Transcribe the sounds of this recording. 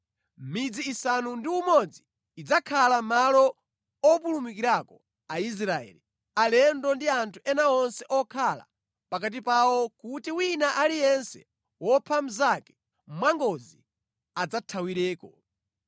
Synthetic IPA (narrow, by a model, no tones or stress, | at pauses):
mid͡ziːsanundiumɔd͡ziː | d͡zakʰalamalɔ | ɔpulumik̬iɾakɔ | ais̬ɾaɛ̰ːli | alɛndɔndiantʰuʔɛnaɔnsɛʔɔkʰala̰ | pakat̬ipawɔkutiwinaʔalijɛnsɛ̰ | wɔpʰam̩zakɛ̥ | m̩mwaŋɡɔzi | ad͡zatʰawiɾɛːkɔ